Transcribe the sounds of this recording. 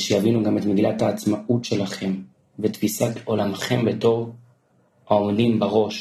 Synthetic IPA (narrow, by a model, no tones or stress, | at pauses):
ʃejavinuɡametmeɡilathaːt͡smaʔutʃe̞laχe̞m | betfisato̞lamχe̞mbeto̞ʁ | aomdimbaʁo̞ʃ